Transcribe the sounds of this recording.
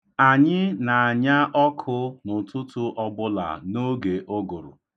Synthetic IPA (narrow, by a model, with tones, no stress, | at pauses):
a˨ɲɪ˦na˨a˨ɲa˦ʔɔ˦kʰʊ˦nʊ˨tʊ˦tʊ˦ʔɔ˦bʊ˦la̰˨no˦ɡe˨ʔo˦ɡʊ˨ɾʊ̰˨